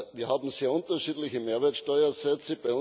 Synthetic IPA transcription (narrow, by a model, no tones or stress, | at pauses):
ʋiːɐhaːbm̩seːɐʊntɐʃiːdlɪçəmeːɐʋeːɐtʃtɔʏɐsɛt͡səb̥aɪʊ